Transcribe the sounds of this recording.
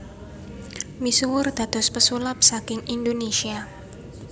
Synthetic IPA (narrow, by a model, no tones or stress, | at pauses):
misuwʊrd̪̥a̤d̪̥ɔ̤spəsulap̚sakɪŋindonesia